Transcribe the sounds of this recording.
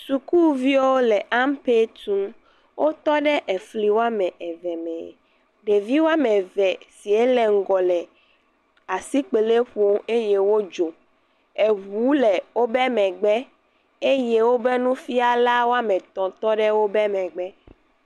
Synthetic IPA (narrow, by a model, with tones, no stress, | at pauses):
su˨ku˦vi˦o˦lɛ˨ʔa˦mpe˦t̪ũ˦m | wʔo˦t̪ɔ˦ɖɛ˦ʔɛ˨fli˨˦wo˦a˦mɛ̃˨ʔɛ˨vɛ˨mɛ̰̃˨ | ɖe˨vi˦wo˦a˦mɛ̃˨vɛ˨si˨e˦lɛ˨ŋ̩˦ɡɔ˨lɛ˨ | a˨si˦k͡pe˨le˦ɸo˦me˦je˦wo˦d͡ʒo˨ | e˨wu˨˦lɛ˨wo˦bɛ˦mɛ̃˨ɡ͡bɛ˦ | e˦je˦wo˦bɛ˦nũ˦fi˦a˨la˦wo˦a˦mɛ̃˨t̪ɔ̃˨t̪ɔ˦ɖɛ˦wo˦bɛ˦mɛ̃˨ɡ͡bɛ˦